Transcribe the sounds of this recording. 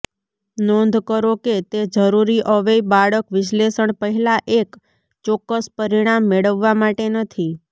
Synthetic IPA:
nɔ̃nd̪ʱkəɾoket̪ed͡ʒəɾuɾiʔəʋejbaɭəkʋɪʃlesəɳpəɦɛlaʔek | t͡ʃɔkːəspəɾiɽ̃amːeɭəʋːamaʈenət̪ʰi

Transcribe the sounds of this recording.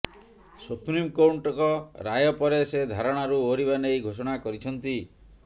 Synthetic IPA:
supɾimkowɳʈɔkɔɾajɔpɔɾesed̪ʱaɾɔɽ̃aɾuoɾiβanejɡʱosɔɽ̃akɔɾit͡ʃʰɔnt̪i

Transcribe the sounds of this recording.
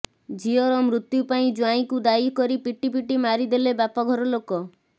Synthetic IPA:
d͡ʒiɔɾɔmɾut̪jupaĩd͡ʒwãĩkud̪ajikɔɾipiʈipiʈimaɾid̪elebapɔɡʱɔɾɔlokɔ

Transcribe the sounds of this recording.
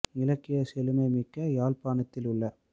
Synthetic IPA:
nɪlɐkːɪjɐsɛlɯmɐɪmɪkːɐjaːlpaːnɐt̪ːɪlʊɭːɐ

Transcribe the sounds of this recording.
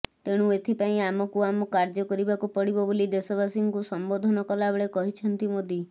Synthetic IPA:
t̪eɽ̃ũet̪ʰipaĩamɔkuamɔkaɾd͡ʒɔkɔɾibakupɔɽibɔbolid̪esɔbasiŋkusɔmbod̪ʱɔnɔkɔlabɔɭekɔɦit͡ʃʰɔnt̪imod̪ʱi

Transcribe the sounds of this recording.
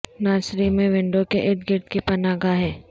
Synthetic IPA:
naːsɾimẽʋɪ̃ɳɖokeʔeʈɡɪɾt̪kipɐnaːɡaɦɛː

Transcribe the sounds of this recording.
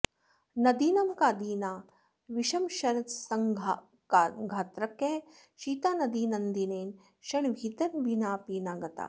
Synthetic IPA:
nɐd̪iːnɐmkaːd̪iːnaː | ʋiʃɐmʃɐnɐsɐŋ | ɡʱaːt̪ɾɐkːe | ʃiːt̪aːnɐd̪iːnɐnd̪ineːn | ʃɐɳʋʱiːt̪ɐnʋinaːpiːnaːɡɐt̪a̰ː

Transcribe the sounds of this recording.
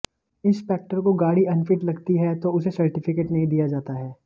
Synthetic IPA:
ɪ̃nspɛːk̚ʈəɾkoɡaːɽiɐnfɪʈlɐɡt̪iɦɛt̪oʊsesɐɾʈɪfɪkeːʈnɐɦĩd̪ijad͡ʒaːt̪aɦɛː

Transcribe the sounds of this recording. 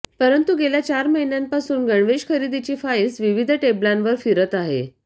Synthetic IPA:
pəɾənt̪uɡeljat͡ɕaɾməɦinjampasuːnɡəɳʋeɕkʰəɾid̪it͡ɕiːfaesʋiʋid̪ʱəʈeblãnʋəɾfiɾət̪aɦḛ

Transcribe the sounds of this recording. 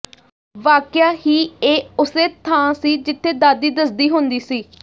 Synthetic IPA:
ʋaːkjaːɦiːeːʊseːt̪ʰãːsiːd͡ʒɪt̪ʰːeːd̪aːd̪iːd̪əsd̪iːɦʊnd̪iːsiː

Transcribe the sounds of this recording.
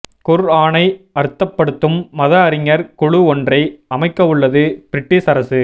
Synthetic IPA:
kʊɾaːnɐɪɐɾɯt̪ːɐpːɐɽɯt̪ːɯmːɐðɐːɾɪŋɐɾkʊɻʊɔndrɐɪɐmɐɪkːɐʋɯɭːɐðɯpɪɾɪʈːisɐɾɐsɯ

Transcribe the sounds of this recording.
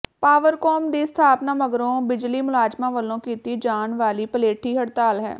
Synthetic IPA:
paːʋəɾkɔːmd̪iːst̪ʰaːpnaːməɡɾõːbɪd͡ʒliːmʊlaːd͡ʒmãːʋəlõːkiːt̪iːd͡ʒaːnʋaːliːpəleːʈʰiːɦəɽt̪aːlɦɛ̰ː

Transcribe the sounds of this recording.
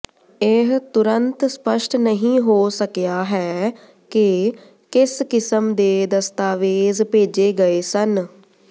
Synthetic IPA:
ɪɦt̪ʊɾənt̪spəʃʈʰnəɦĩːɦoːsəkjaːɦɛː | kɪ | kɪskɪsəmd̪eːd̪əst̪aːʋeːzpeːd͡ʒeːɡəeːsən

